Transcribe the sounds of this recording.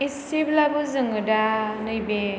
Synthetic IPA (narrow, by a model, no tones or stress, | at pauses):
isiblabɯzɯŋɯdanɯjbe